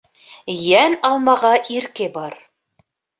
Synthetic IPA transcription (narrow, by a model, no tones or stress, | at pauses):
jænɑlˠmɑʁɑʔiɾkɘbɑɾ